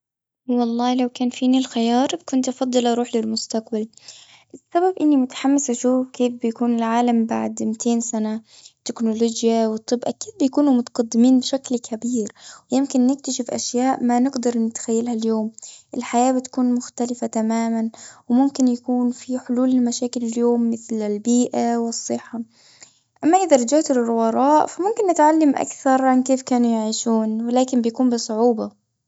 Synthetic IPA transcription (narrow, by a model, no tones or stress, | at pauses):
wɑlˤːɑːlawkaːnfiːnilxɪjɑːɾˤbkʊnt̪ʔfɑd̪ˤːɑlʔɑɾˤuːħlɪlmʊst̪aqbal | ʔɪsːababʔɪnːimʊt̪ħamːasʔaʃuːfkeːfbɪjakuːnɪlʕaːlambaʕd̪mɪt̪ʰeːnsana | t̪ːɪknʊloːd͡ʒjawɨt̪ˤːɨbːʔakiːd̪̚bɪjakuːnumʊt̪ḁɡad̪ːɪmiːnbɪʃaklkʰabiːɾwɪjɪmkɪnːɪk̚t̪aʃɪfʔa̰ʃjaːʔmanɪɡd̪ɑɾˤnɪt̪xajːalhaljoːmʔɪlħajaːbɪt̪ḁkuːnmʊxt̪alɪfat̪amaːmanwɪmʊmkɪnjakuːnfiħʊluːlɪlmaʃaːkɪlɪljoːmːɪθlɪlbiːʔawɪsˤːɨħːa | ʔamːaʔɪðaɾˤɑd͡ʒaʕt̪ɪlrˤʊwɑɾˤɑːʔfamʊmkɪnːɪt̪ʕalːamʔa̰kθɑɾˤʕankeːfkaːnujaʕiːʃuːnwɪlaːkɪmbɪjakuːmbɨsˤʊʕuːbɑ